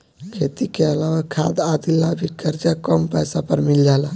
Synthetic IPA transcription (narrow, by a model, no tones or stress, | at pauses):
kʰet̪ikeəlawəkʰːa̰d̪ad̪ilːabʱikːəɾd͡ʒakəmpɛjsapəɾmild͡ʒala